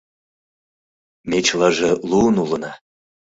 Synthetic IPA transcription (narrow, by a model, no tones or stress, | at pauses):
met͡ɕlɑʒeluənulə̆nɑ